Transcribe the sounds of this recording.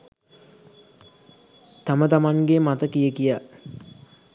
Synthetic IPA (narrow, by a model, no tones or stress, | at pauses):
t̪amət̪amaŋɡemat̪əkijəkija